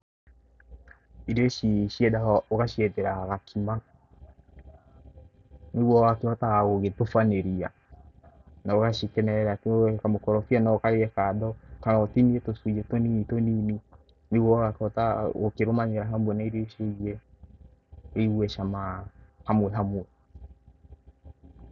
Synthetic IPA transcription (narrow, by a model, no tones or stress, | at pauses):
iɾioʃiʃiɛdaɔoɣaʃiɛtɛɾaɣakʰima | niɣwɔɣakehɔtaɣaɣoɣetofaneɾia̰ | naoɣaʃikɛnɛɾatkamokɔɾɔfianaɔkaɾeɛkaðɔkanɔɔtiniɛtosud͡ʒɛtoninitoniːni | niɣwɔɣakɔtaokeɾomaɲeɾaɦamwɛnaiɾioʃed͡ʒɛ | ɾiɣwɛʃamahamwɛɦamwɛ